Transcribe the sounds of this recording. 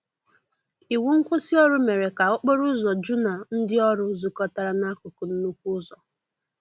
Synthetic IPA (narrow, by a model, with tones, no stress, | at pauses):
i˨wu˦ŋ̩˦kʷʊ˦sɪ˦ɔ˦ɾʊ˦me˨ɾe˨ka˨ʊ˦k͡po˦ɾʊ˦zɔ˨d͡ʒu˦na˨n̩˦dɪ˦ɔ˦ɾʊ˦zu˨kɔ˦ta˨ɾa˦na˦kʊ˨kʊ˨n̩˦nu˦kʷu˦zɔ˨